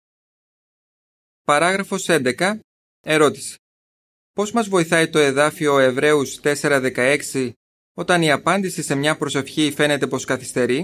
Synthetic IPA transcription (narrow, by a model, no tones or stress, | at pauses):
pɐɾɐɣɾɐfo̞se̞nd̪ekɐ | e̞ɾo̞t̪i̥se̥ | po̞zmɐzvo̞iθɐit̪o̞e̞ðɐfio̞e̞vɾe̞ust̪e̞se̞ɾɐðe̞kɐe̞ksi | o̞t̪ɐniɐpɐnd̪isise̞mɲɐpɾo̞se̞fçife̞ne̞t̪e̞po̞skɐθi̥st̪e̞ɾi